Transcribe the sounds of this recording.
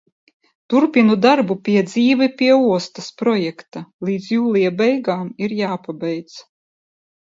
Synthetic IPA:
t̪uɾpʲinud̪aɾbupʲiɛd̪ziːvipʲiɛuɔst̪aspɾɔjɛkt̪alˠiːd̪zjuːlˠijabɛjɡaːmiɾjaːpabɛjt̪s

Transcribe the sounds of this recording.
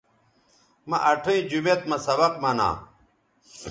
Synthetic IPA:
mɐʔɐʈʰoĩd͡ʑumet̪mɐ̃sɐbɐqmɐna̰ː

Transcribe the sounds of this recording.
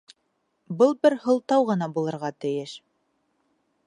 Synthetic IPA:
bɤlˠbɘɾhɤ̆lˠt̪ɑwʁɤ̆nɑbulˠɤ̆ɾʁɑt̪ɘ̆jɘʃ

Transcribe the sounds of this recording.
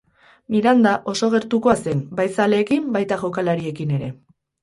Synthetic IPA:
niɾand̪aʔo̞so̞ɣ̞e̞ɾt̪uko̞ase̞nbajsale̞ːkimbajt̪aɣewkalaɾie̞kine̞ɾe̞

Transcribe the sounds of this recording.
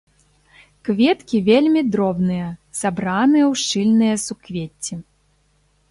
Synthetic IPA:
kvʲet̪kʲivʲelʲmʲid̪ɾɔbnɨjɐsabɾanɨjɐwʂt͡ʂɨlʲnɨjɐsukvʲet͡sʲːi

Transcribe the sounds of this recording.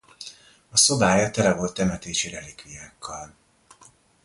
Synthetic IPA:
ɒso̞baːjɒt̪ɛlɛvo̞lt̪ːɛmɛt̪eːʃiɾɛlikʋijaːkʰːɒl

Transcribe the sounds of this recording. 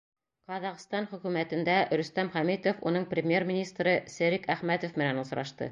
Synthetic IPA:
qɑðɑqst̪ɑnχɵ̆kʉmæt̪ɘ̆nd̪æɾɵ̆st̪æmχæmit̪ofunɤɴprʲɪmʲjermʲɪnʲist̪ɾɤsɘ̆ɾɘkæχmæt̪ofmɘ̆nænus̆ɾɑ̰ʃt̪ɤ̰

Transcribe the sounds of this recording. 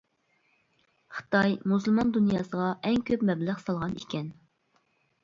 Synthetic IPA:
χə̥t̪ɑjmuslˠmɑnd̪unjɑːsəʁɑʔɛŋkʲʰøpmɛbləχsɑlˠʁɑnḭkʲɛn

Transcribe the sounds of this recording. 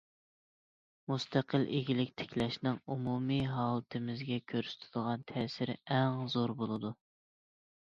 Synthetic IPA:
must̪ʰæqʰəlʔeɡʲilɪkʲt̪ʰe̥kʲlɛʃnɪŋumumiɦɑːlˠt̪ʰɨmɪzɡʲɛkʲʰøɾsy̥t̪ʰɪd̪əʁɑnt̪ʰɛːsɪɾɛŋzoɾbolˠɨd̪u

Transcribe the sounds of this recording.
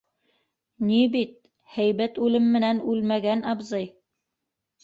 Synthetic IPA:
nibit̪̚ | hæjbæt̪ʉlɘmːɘ̆nænʉlmæɡænɑbzɤj

